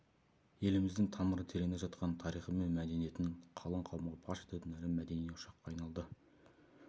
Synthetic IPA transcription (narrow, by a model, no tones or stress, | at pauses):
je̞lɪmɪzd̪ɪŋt̪ʰɑməɾət̪ʰe̞ɾe̞ŋneʒɑt̪qɑnt̪ʰɑɾijχəme̞nmæd̪e̞nije̞t̪ɪɴqʰɑlˠəɴqʰɑwəmʁɑpʰɑʃet̪et̪ɪnæɾɪmæd̪e̞nijeʊʃɑqːɑːjnɑlˠd̪ə